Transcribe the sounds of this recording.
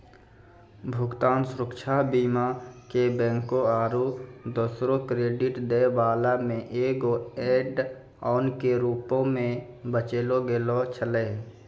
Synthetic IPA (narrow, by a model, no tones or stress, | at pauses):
bʱʊɡt̪aːnsʊɾʊkʃʰabiːmakebɛ̃ːŋkoaːɾud̪osɾõkɾeːɖɪʈd̪eːbaːlamẽʔeːɡoeːɖ | ɔːnkeɾuːpõmẽ | bət͡ʃeːloɡelot͡ʃʰəleː